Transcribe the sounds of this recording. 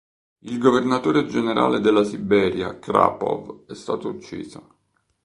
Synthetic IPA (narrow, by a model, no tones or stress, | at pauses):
ilɡovernat̪oːɾed͡ʒeneɾa̰ːled̪elːasibɛːɾja̰kɾa̰pɔ̰vɛst̪aːt̪out͡ʃːḭːzo